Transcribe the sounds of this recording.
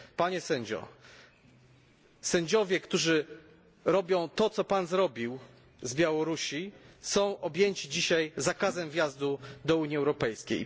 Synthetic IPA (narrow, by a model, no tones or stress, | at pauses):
paɲɛsɛɲd͡ʑɔ̰ | sɛɲd͡ʑɔvʲjɛkt̪uʐɘ | ɾɔbʲjɔ̃w̃t̪ɔt̪sɔpanzɾɔbʲiw | zbʲjawɔɾuɕisɔ̃w̃ʔɔbʲjeɲt͡ɕid͡ʑiɕajzakazɛmvʲjazd̪ud̪ɔuɲiɛwɾɔpɛjskʲḛj